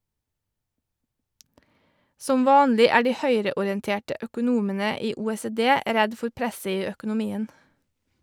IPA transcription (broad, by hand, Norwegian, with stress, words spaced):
ˈsɔm ˈʋɑːnlɪ ˈæː ˈɖiː ˈhœʏɾəʊɾɪɛnˌteːʈə ʔœkʊˈnuːmənə ˈiː ˌuːeːseːˈdeː ˈɾɛd ˈfʊɾ ˈpɾɛsə ˈiː ˌœkʊnʊˈmiːən